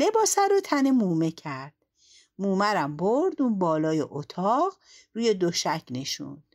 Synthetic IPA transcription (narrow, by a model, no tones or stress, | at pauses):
le̞bɒːsæɾot̪ʰænemuːme̞cʰæɾd̪̥ | muːmæɾæmboɾd̪unbɒːlɒːjeʔot̪ʰɒːʁ | ɾuːjed̪oʃæcʰne̞ʃṵnd̥̪